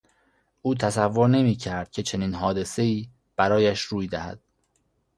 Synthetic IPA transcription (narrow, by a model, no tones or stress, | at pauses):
ʔuːt̪ʰæsævːo̞ɾne̞miːcʰæɾd̪̥̚cʰe̞t͡ʃʰe̞niːnɦɒːd̪e̞se̞iː | b̥æɾɒːjæʃɾuːjd̪æhæ̰d̪̥